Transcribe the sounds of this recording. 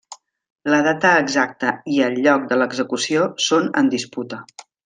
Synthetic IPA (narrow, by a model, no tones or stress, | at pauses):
ləðat̪əːɡzak̚t̪əiəlʎːɔk̚d̪ələɡzəkusiosonənd̪isput̪ə